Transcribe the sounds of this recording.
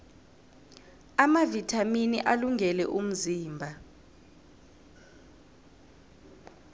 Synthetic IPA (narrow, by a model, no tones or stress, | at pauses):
amavitʰaminiʔaluŋʱɛlɛ̰ʔum̩ziːmbʱa